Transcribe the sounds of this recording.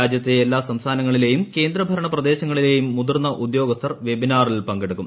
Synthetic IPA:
aːd͡ʑjɐt̪ːeelːaːsɐmst̪ʰaːnɐŋːɐɭile̞ːjumke̞ːnd̪ɾɐbʱɐɾɐɳɐprɐd̪e̞ːɕɐŋːɐɭile̞ːjumːud̪ɐrnːɐʔud̪jo̞ːɡɐst̪ʰɐrʋe̞binaːrilpɐŋɡeɽukːum

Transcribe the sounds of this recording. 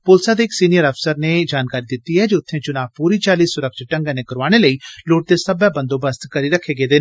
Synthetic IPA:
poːlsaːd̪eɪksiːnijəɾəpsəɾneːd͡ʒaːnkaːɾid̪ɪt̪ːiɦɛːd͡ʒeʊt̪ʰːẽːt͡ʃʊnaːpuːɾiːt͡ʃaːliːsːʊɾəkʃɪʈə̃ŋɡaneːkəɾʋaːɽ̃eləiːloːʈ̚d̪eːsəbjaːbə̃nd̪oːbəst̪kəɾiːɾəkʰːeːɡeːd̪eː

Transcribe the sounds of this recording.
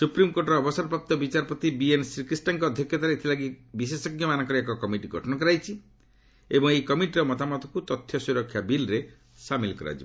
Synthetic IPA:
supɾimkoɾʈɾɔːbɔsaɾpɾap̚t̪ɔbit͡ʃaɾpɔt̪ibiensɾikɾisʈaŋkɔɔd̪ʱjɔkjɔt̪aɾeet̪ʰilaɡibisesɔkːjɔmanɔŋkɔɾekɔkɔmiʈiɡʱɔ̰ʈʰɔnɔkɔɾajt͡ʃʰi | ebɔŋejkɔmiʈiɾɔmɔt̪amɔt̪ɔkut̪ɔt̪ʰːjɔsuɾɔkʰːjabilɾe | samilkɔɾa̰d͡ʒibɔ

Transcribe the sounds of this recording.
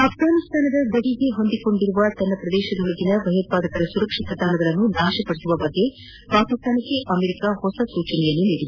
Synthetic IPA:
ɐpɡaːnist̪ʰaːnɐd̪ɐd̪ɐɽiɡe̞ɦond̪iko̞ɳɖiɾuʋɐt̪ɐnːɐpɾɐd̪ɛːʃɐd̪oɭɐɡinɐʋɐjɐt̪̚paːd̪ɐkɐɾɐsuɾɐkʂit̪ɐd̪ʱaːnɐɡɐɭɐnːunaːʃɐpɐɽisuʋɐbɐɡːe̞ | paːɾkist̪ʰaːnɐkːe̞ʔɐmeɾikahɔsɐsuːt͡ʃɐnɛjɐnːuniːɽid̪u

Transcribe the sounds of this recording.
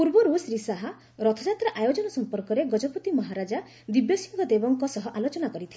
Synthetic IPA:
puɾbɔɾusɾisaɦa | ɾɔt̪ʰɔd͡ʒat̪ɾaʔajod͡ʒɔnɔsɔmpɔɾkɔɾeɡɔd͡ʒɔput̪imɔɦaɾad͡ʒa | d̪ibjɔsiŋɡɔd̪ebɔŋkɔsɔɦɔʔalot͡ʃɔnakɔɾit̪ʰi

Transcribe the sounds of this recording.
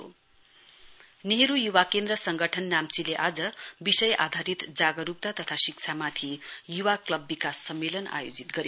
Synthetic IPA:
o̰ | neɦɾujuwakend̪rʌsʌŋɡʱʌʈʰʌnːamt͡sileʔad͡zʌbisʌjʔad̪ʱaɾit̪d͡zaɡʌɾup̚t̪at̪ʌt̪ʰasik̚t͡sʰamat̪ʰijuwaklʌbːikasːʌmːelʌna̰jod͡zit̪ɡʌɾi

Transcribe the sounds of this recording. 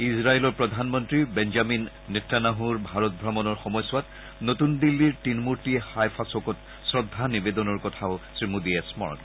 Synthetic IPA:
isɹaelɔɹpɹɔd̪ʱanmɔntɹibɛnd͡ʒaminː | ɛtːanaɦuɹbʱaɹɔt̚bʱɹɔmɔnɔɹxɔmɔjswat | notund̪ilːiɹtinmuɹtixajpʰasɔkɔt | sɹɔd̪ʱːanibed̪ɔnɔɹkɔtʰaʊsɹimudiesmɔ̰ɹɔ̰n

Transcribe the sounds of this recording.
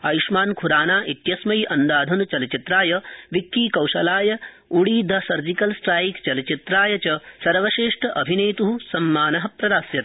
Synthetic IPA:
ɐjiʃmaːnkʰuɾaːnaːʔit̪jɐsmɐjʔɐnd̪aːd̪ʱɐnut͡ʃɐlt͡ʃit̪ɾaːjɐʋikːiːkɐwʃɐlaːjɐ | uɽiːd̪ʱɐsɐɾd͡ʒikɐlsʈɾaːjikt͡ʃɐlɐt͡ʃit̪ɾaːjɐt͡ʃɐsɐɾʋɐʃeːʂʈʰɐʔɐbʱinɐjt̪uɦusɐmːaːnɐɦɐ̆pɾɐd̪aːsjɐt̪

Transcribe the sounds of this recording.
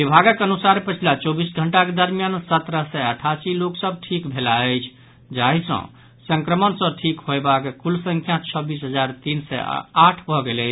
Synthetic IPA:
bibʱaɡəkənusaɾpət͡ʃʰilat͡ʃobisɡʱəɳʈaked̪əɾmjansət̪ɾəsɛəʈʰasiloksəb̚ʈʰikbʱelaəjt͡ʃʰ | d͡ʒaɦisə̰̃ | səŋkɾəmənsə̃ʈʰikhoebakekulsə̃ŋkʰjat͡ʃʰəbisɦəd͡ʒaɾt̪insɛ̰aʈʰbʱɔɡelɛt͡ʃʰ

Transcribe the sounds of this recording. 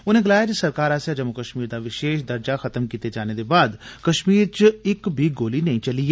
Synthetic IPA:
ʊnẽːɡəlaːjaːd͡ʒisəɾkaːɾaːsjaːd͡ʒəmːʊkəʃmiːɾd̪aːʋɪʃeːʃd̪əɾd͡ʒaxʰət̪əmkiːt̪ed͡ʒaːned̪eːbaːd̪kəʃmiːɾt͡ʃɪkbʱiːɡoːlinəĩt͡ʃəlieː

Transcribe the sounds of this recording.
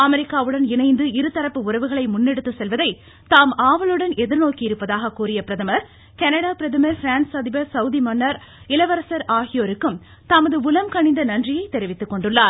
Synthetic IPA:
ɐmɛɾɪkːaːʋɯɽɐnɪnɐɪnd̪ɯɪɾɯt̪ːɐɾɐpːɯʊrɐʋɯɣɐɭɐɪmʊnːɛɽɯt̪ːɯsɛlʋɐðɐɪ | t̪aːmaːʋɐlɯɽɐnɛðɪɾnoːkiɪɾɯpːɐðaːɣɐkuːɾɪjɐpɪɾɐðɐmɐɾ | kɐnɐɽaːpɪɾɐðɯmɐɾfɪɾaːnsɐðɪbɐɾsɐʊðimɐnːɐɾ | ɪlɐʋɐɾɐsɐɾaːɣɪjoːɾɯkːɯm | t̪ɐmɐðɯʊlɐmkɐɳɪnd̪ɐnɐndrɪjɐɪt̪ɛɾɪʋɪt̪ːɯkːɔɳɖɯɭːaːɾ

